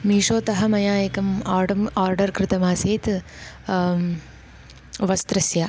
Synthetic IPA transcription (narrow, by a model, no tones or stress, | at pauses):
miːʂoːt̪ɐɦɐmɐjaːjɐkɐmːɾɖɐmaːɾɖɐɾkɾɪt̪ɐmaːseːt̪ | ʋɐst̪ɾɐsja